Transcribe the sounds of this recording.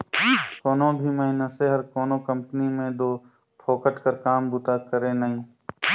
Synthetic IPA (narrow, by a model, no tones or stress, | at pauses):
koːnõbʱimɐɦinəseɦɐɾkɔːnokɐ̃mpənimẽd̪oː | pʰoːkəʈkəɾkaːmbʊt̪aːkəɾẽnɐɦĩː